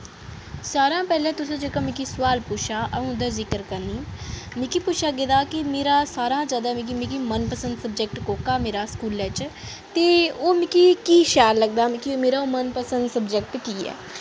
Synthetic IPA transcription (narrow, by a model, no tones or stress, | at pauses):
saːɾãːpɛːlɛ̃ːt̪ʊs̬ẽːd͡ʒekãːmĩkiːsʊʋaːlpʊʃʰaːʔəõd̪aːzɪkəɾkəɾniːmĩkiːpʊʃʰaːɡed̪aːkɪmeːɾaːsaːɾãːd͡ʒaːd̪aːmĩk̬imĩːkiːmənpəsə̃nd̪səb̚d͡ʒɛk̚ʈkoːkaːmeːɾaːskuːlɛːt͡ʃ | t̪eːoːmĩkikiːʃaːɾləɡd̪aːmɪkimeːɾaːoːmənpəsə̃nd̪səbd͡ʒɛk̚ʈkiːɛ̰ː